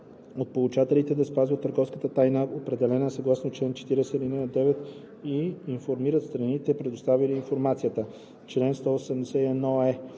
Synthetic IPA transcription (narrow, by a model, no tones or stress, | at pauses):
ot̪̚polˠut͡ʃat̪ɛlit̪ɛd̪ɐspazvət̪ːəɾɡɔfskət̪ət̪ajnəopɾɛd̪ɛlɛnəsɐɡlˠasnot͡ʃlɛnt͡ʃɛ̥t̪iɾɛsɛɾinɛəd̪ɛvɛt̪ | iːnfoɾmiɾət̪st̪ɾɐnit̪ɛpɾɛd̪ost̪avilʲiːnfoɾmat̪sijət̪ə | t͡ʃlɛnst̪ɔːsɛmd̪ɛsɛiɛnɔɛ